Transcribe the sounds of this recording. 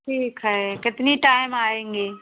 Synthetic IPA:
ʈʰiːkəɦekɪt̪ɪniʈaːɪmaːẽːŋɡeː

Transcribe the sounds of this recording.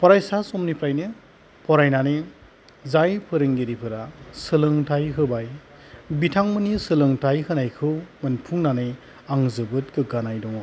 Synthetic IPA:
pʰɔɾajsasɔmnipʰɾajnɯ | pʰɔɾajnanɯ | zajpʰɯɾɯŋɡiɾipʰɯɾasɯlɯŋtʰajɦɯbaj | bitʰaŋmɯnisɯlɯŋtʰajhɯnajkʰɯwmɯnpʰuŋnanɯj | aŋzɯbɯt̚kɯɡanajdɔŋ

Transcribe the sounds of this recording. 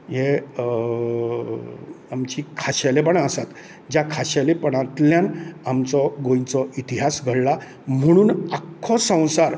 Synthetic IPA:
je | amt͡ɕiːkʰaɕalepəɳasat̪ | d͡ʑjakʰaɕalepəɽ̃ãt̪ljãnamt͡sɔɡõjt͡sɔʔit̪iɦasɡʱəɽla | m̤əɽ̃uːnakʰːɔsə̃w̃saɾ

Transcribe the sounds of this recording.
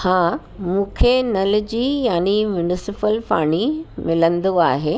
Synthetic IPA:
hãː | mũːkʰenɐlɪ̆d͡ʑiːjaːnimjʊnɪsɪpəlpaːɽ̃imɪlə̃nd̪oaːɦeː

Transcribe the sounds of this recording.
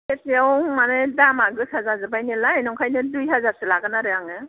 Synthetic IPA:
esiawmanɯjdamaɡɯsazazɯbajnɯlajnɔŋkʰajnɯdujɦazaɾsɯlaɡɯnaɾɯjaŋɯ

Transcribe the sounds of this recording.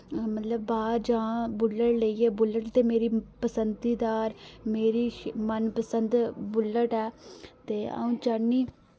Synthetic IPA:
mət̪ləbːaːd͡ʒãːbʊləʈləiːɛːbʊlːəʈt̪eːmeːɾiːpəsənd̪iːd̪aːɾmeːɾiːmənpəsənd̪bʊlːəʈɛːt̪eːa̰ũːt͡ʃəniː

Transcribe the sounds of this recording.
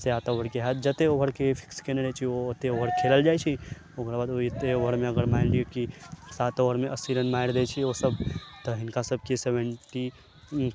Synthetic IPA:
seat̪aoɦəɾkeɦat̪̚d͡ʒət̪eoɦəɾkepʰi̥kskeneɾɛjt͡ʃʰioːt̪eoɦəɾkʰeləld͡ʒajt͡ʃʰi | okɾabad̪oit̪eoɦəɾmeəɡəɾmaɪlɖikisat̪oɦəɾmeʔəsiɾənmajɾd̪et͡ʃʰiosəbt̪ɔɦinkasəb̚ʱkisebəɳʈi

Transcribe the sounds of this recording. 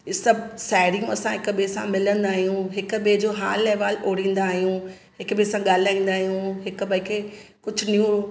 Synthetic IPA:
sɐbʱsaːɪɾijũɐsãɦɪkɓesã̰mɪlə̃nd̪aːɦijũɦɪkɓed͡ʑoːɦaːlːeʋaːloːɽĩːn̆d̪aːɦijũ | ɦɪkbesãɠaːlɪaːĩːnd̪aːɦijũɦɪkbɐikʰekʊd͡ʑʱʊniũ

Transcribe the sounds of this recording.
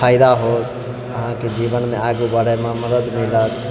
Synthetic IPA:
aɪd̪aɦot̪ | əɦãked͡ʒibənmeaɡubəɽəjmãməd̪əd̪milət̪

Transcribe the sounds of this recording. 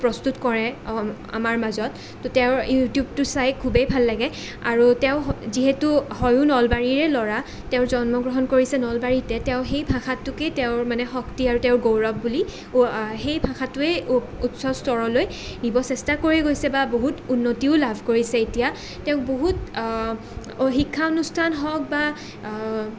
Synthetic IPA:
pɹɔstutkɔɹɛa̰maɹmazɔtː | ɔtɛʊɹjutjub̚tʊsajkʰːubejbʱalːaɡɛ | aɹutɛʊziɦetuɦɔjʊnɔlbaɹiɹɛlɔɹa | tɛʊ̃ɹzɔnmɔɡɹɔɦɔnkoɹisɛnɔlbaɹitɛtɛʊ̃xejbʱãxʰatːʊketɛʊɹmanɛxɔktiaɹutɛʊ̃ɹɡowɹɔp̚buli | xejbʱaxʰatʊɛ | utsɔstɔɹɔloj | nibɔsɛstakoɹɛɡojsɛbaboɦutunːotiʊlabʱkoɹisɛetija | tɛʊ̃k̚boɦut | xikʰːaɔnustʰanɦɔk̚ba

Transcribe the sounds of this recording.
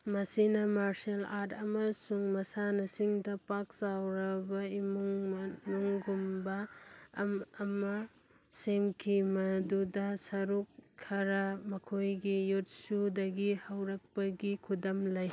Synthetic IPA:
mɐsinɐmaɾselaɾtʰɐmɐsuŋmɐsanɐsiŋdɐpak̚sawɾɐbɐimuŋnuŋɡumbɐːmːmɐ | semkʰimɐdudɐsɐɾukʰːɐɾɐmɐkʰojɡijut̚sudɐɡihɐwɾɐk̚pɐɡikʰudɐmlɐj

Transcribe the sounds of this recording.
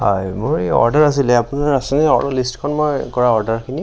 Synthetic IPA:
hɔ̰jmʊɹeɔ̰ɹdaɹas̬ilɛapʊnaɹasɛnɛɔ̰ɹdɔlistkʰɔnmɔjkɔɹaɔɹdaɹkʰini

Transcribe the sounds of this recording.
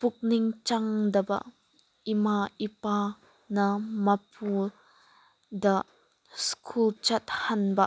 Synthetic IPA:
pʊk̚niŋt͡ʃɐŋd̪ɐba̰ʔ | ʔimaʔipa | namɐpʰu | daʔ | skʰult͡ʃɐt̪̚hɐnbɐʔ

